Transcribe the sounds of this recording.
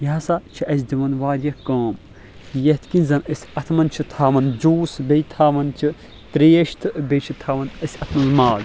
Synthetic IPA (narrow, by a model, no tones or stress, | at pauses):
jɐɦɐsat͡ʃʰiʔɐsʲd̪imɐnʋaːɾjɐkãːm | jɐt̪ʰkinzɐnɐsʲɐt̪ʰmɐnt͡ʃʰit̪ʰaːʋɐnd͡ʒuːsbejt̪ʰaːʋɐnt͡ʃʰi | t̪ɾeːʃt̪ʰɨbejt͡ʃʰit̪ʰaːʋɐnɐsʲɐt̪ʰmɐnzmaːl